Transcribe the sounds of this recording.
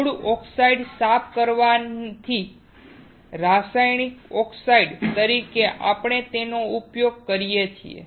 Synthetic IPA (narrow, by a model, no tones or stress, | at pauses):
ɽuʔɔksaiɖsapʰkəɾʋant̪ʰi | ɾasajnikɔksaiɖt̪əɾikeʔapɳet̪enoupjoɡ̚kəɾijet͡ʃʰḭḛ